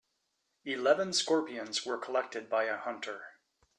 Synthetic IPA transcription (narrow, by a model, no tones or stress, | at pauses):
ilɛvə̃nskɔɹpiɨ̃nzwə˞kʰəlɛk̚tɨd̚baɪɨhʌ̃ntʰə˞